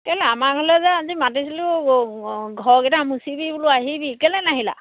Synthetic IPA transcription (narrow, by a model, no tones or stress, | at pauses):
kɛlɛamakɔlɛzaazimatisilʊ | ɡʱɔɹkɛtamusibibulʊaɦibikɛlɛnaɦila̰